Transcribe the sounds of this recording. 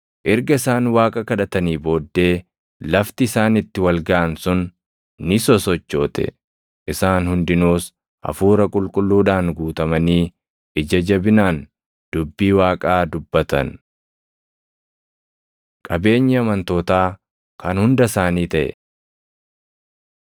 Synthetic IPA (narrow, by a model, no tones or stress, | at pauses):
ʔɪɾɡɐɪsaːnwaːkʼɐkɐᶑɐt̪ɐniːbo̞ːd̪ːe̞ː | lɐft̪ɪːsaːnɪt̪ːɪwɐlɡɐʔɐnsʊnː | ɪsɔsɔt͡ʃːo̞ːt̪ɛ̰ | ʔɪsaːnhʊnd̪ɪnuːs | ʔɐ̰fuːɾɐkʼʊlkʼʊlːuːᶑaːŋɡuːt̪ɐmɐniː | ʔɪd͡ʒɐd͡ʒɐbɪnaːn | d̪̥ʊbːiːwaːkʼaːd̪ʊbːɐt̪ɐ̰n | kʼɐbe̞ːɲːɪɐmɐnt̪o̞ːt̪aː | kʰɐnhʊnd̪ɐsaːniːt̪ɐʔɛ̰